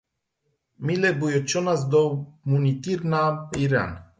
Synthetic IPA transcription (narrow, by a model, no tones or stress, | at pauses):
milɛbujot͡ʃɔnazd̪ɔmunit̪iɾnaiɾa̰n